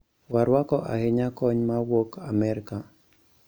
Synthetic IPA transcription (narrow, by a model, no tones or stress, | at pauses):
waɾwakɔʔahɪɲakɔɲmawokamɛɾka